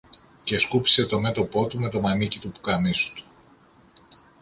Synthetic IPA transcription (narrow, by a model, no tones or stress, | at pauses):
ce̞skupi̥se̞t̪o̞me̞t̪o̞po̞t̪ume̞t̪o̞mɐnicit̪upu̥kɐnisu̥t̪u̥